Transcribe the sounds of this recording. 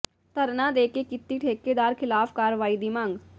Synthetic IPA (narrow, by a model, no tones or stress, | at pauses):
t̪əɾnad̪eːkekɪt̪ːiʈʰeːkːed̪aːɾkʰɪlaːfkaːɾʋaːid̪ɪmãːŋɡ